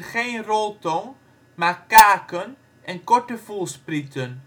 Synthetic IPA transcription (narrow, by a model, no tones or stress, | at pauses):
χejnrɔlˠtɔŋ | maːrkaːkən | ʔɛnkɔɹtəfulˠspritən